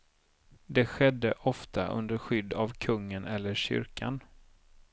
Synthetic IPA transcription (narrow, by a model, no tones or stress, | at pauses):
d̪ɛɧɛd̪ːəʔɔft̪ʰaʔɵ̰nd̪əɾɧʏd̪ːavkʰɵŋːənɛlːəɕʏ̰ɾkʰa̰n